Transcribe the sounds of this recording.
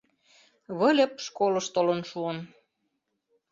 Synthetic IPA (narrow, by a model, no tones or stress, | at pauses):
βɤ̆lʲə̆p̚ʃkolɤ̆ʃt̪olɤnʃuən